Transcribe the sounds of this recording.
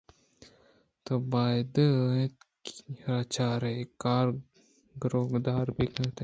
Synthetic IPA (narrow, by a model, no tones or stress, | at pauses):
t̪obaːjd̪ət̪kɾat͡ʃaːɾekaːɾ | ɡɾoːɡd̪aːɾbʱikɐt̪e